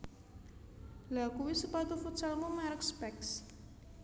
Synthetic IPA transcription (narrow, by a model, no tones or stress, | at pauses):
lakuwisəpat̪ufut̪salmumaɾəkspɛks